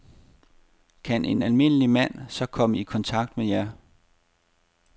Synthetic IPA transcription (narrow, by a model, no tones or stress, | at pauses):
kʰænʔe̝nælme̝n̰əlimæn̰sɒ̽kʰɒ̽məikʰɒ̽nt͡sʰɑ̈ɡ̥̚d̥mejæ